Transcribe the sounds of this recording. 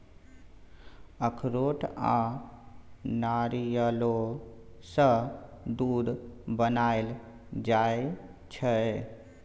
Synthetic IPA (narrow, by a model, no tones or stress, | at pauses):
əkʰɾoʈʰa | naɾijəlosəd̪ud̪ʱbənaɪl | d͡ʒaet͡ʃʰə